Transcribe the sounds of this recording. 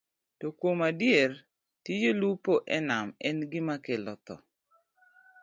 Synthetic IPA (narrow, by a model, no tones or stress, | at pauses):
tokomadjer | tjijolupoʔɛnamɛnɡɪmakelɔ̰t̪ɔ̰